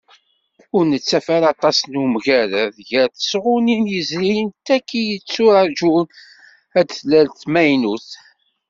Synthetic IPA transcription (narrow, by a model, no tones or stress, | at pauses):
ʊɾnət͡sːæfæɾɑt̪ˤɑsnumʝæɾəðʝəɾθə̥sʁʊninjəzɾijənt̪ækːijət͡sːʊɾæd͡ʒun | æd̪θlælt̪mæjnuθ